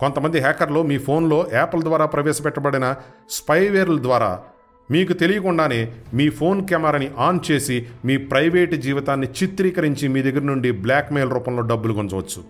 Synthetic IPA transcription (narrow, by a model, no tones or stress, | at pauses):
kont̪ɐmɐnd̪iɦɛːkɐɾlo̞ːmiːpʰo̞ːnlo̞ːʔɛːpɐld̪ʋaːɾaːpɾɐʋɛːʃɐpɛʈːɐbɐɽinɐspɐjʋeːɾlɐd̪ʋaːɾa̰ː | miːk̬ut̪elijɐkuɳɖaːne̞ːmiːpʰo̞ːnkɛmaːɾɐniʔaːnt͡ʃe̞ːsimiːpɾɐjʋe̞ːʈd͡ʒiːʋit̪aːnːit͡ʃit̪ɾiːkɐɾiɲt͡ʃimiːd̪ɐɡːɐɾɐnuɳɖibljaːkmeːlɾuːpɐmlo̞ːɖɐbːulukunt͡ʃɐʋɐt͡ʃːu̥